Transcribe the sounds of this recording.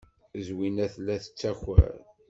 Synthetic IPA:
zwinæθlːæθə̥t͡sːæçæ̰ɾ

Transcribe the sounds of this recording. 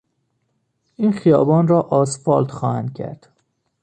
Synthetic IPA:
iːnxijɒːbɒːnrɒːʔɒːsfɒːlt̪xɒːhænd̪̥cʰæ̰ɾd̪̥

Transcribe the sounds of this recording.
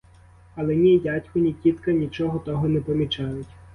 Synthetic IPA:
ɐlˠɛnʲijatʲkʊnʲikʲit̪kɐnʲit͡ʃɔɦɔt̪ɔɦɔnɛpɔmʲit͡ʃɑjʊtʲ

